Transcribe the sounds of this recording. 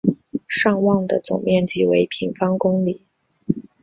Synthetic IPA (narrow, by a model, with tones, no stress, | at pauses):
ʂɑ˥˧ŋwɑ˥˩ŋd̪ə˩t͡sʊ̰˨˩ŋmjɛ˥˩nt͡ɕi˥we˧˥ɪpʰi˧˥ŋfɑ˥ŋkʊ˥ŋli˨˩˦